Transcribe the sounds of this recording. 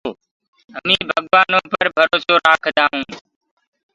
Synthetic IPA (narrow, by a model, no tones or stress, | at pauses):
əmĩːbʱəɠʋaːnõːpəɾbʱəɾoːsoːɾaːkʰd̪aːɦũː